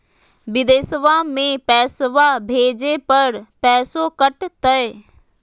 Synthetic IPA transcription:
ʋɪd̪eːsʋamẽpɛːsʋabʱeːd͡ʑepɐɾpɛːsokɐʈt̪ɐe

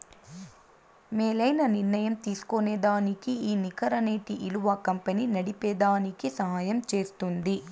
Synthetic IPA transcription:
meːlɐjnɐniɾnɐjɐmt̪iːsu̥koneːd̪aːnikiiːnikɐɾɐneːt̪iʔiluʋɐkɐmpɐniːnɐɽipeːd̪aːnikisɐɦaːjɐmt͡ʃe̞ːst̪und̪i

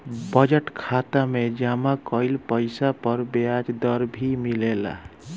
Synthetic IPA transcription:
bʌd͡ʒeʈkʰat̪amed͡ʒamakʌjlpəjsapʌɾbjad͡ʒd̪ʌɾbʱimilela̰

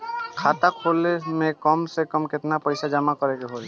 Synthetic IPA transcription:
kʰat̪akʰolemekɔmsekɔmket̪napɔjsad͡ʒamakɔɾeɡeɦol

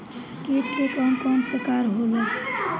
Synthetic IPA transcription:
keːʈ̪kekɔːnkɔːnpɾəkaːɾɦoːlaː

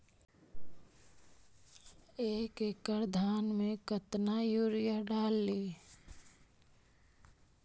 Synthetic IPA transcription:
eːkekəɾd̪ʱaːnmẽkət̪najuːɾjəɖaːlːiː

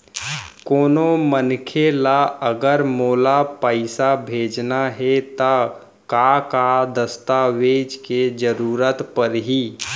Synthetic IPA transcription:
koːnomənkʰelaəɡəɾmoːlapəɪsabʱeːd͡ʒnaɦet̪a | kakad̪əst̪aʋeːd͡ʒked͡ʒəɾuːɾət̪pəɾɦiː

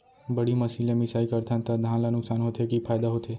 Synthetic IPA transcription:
bəɽiməsilemɪsaikəɾt̪ʰãnt̪ad̪ʱãlanʊksanɦot̪ʰekifʰajd̪aɦot̪ʰe

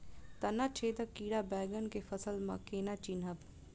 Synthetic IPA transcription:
t̪ɐnat͡ʃʰeːd̪əkiːɽabɛːɡənkefɐsəlmɐ̰keːnat͡ʃinɦəb

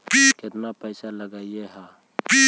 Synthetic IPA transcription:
biket̪napəɪsaləɡaːieɦã | pi

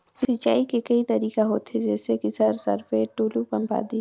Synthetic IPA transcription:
sɪt͡ʃaːikekɐit̪ɐɾiːkaɦoːt̪ɦed͡ʒɛːsekisəɾsə̰ɾfʰeʈuːlupɐ̃mpa̰ːd̪iː

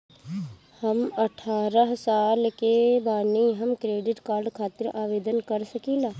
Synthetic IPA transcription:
həmɐʈʰaːɾəɦsaːlkebaːniɦɐmkɾeːɖɪʈkaːɾɖkʰaːt̪ɪɾaːʋeːd̪ənkɐɾsəkiːlaː

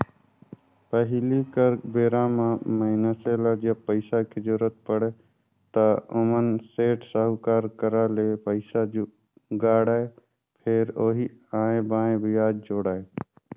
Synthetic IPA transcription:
pəɦlikəɾbeːɾãmãməɪnəseːlad͡ʒəb̚pəɪsakʰed͡ʒʊɾət̪̚pəɽe | t̪əʊmənseːʈsəɦʊkaːɾkəɾalepəɪsad͡ʒ | ɡaːɽaːe | pʰeɾoːɦiaːẽbaːẽbʱijaːd͡ʒd͡ʒoːɽaːe

